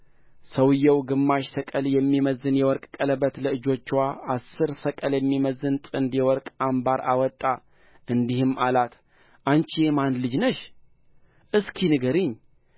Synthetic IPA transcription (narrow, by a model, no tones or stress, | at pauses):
səwɨjːɛwɡɨmːaʃsəkʼəljɛmːiməzːɨnjɛwɔɾkʼkʼələbət̪ləɨd͡ʒo̞t͡ʃːwaasːɨɾsəkʼəljɛmːiməzːɨnt̪ʼɨnd̪jɛwɔɾkʼambaɾa̰wɔt̪ʼːa | ʔɨnd̪ihɨmʔalat̪ | ʔant͡ʃijemanlɨd͡ʒnəʃ | ʔɨskʰinɨɡəɾɨɲː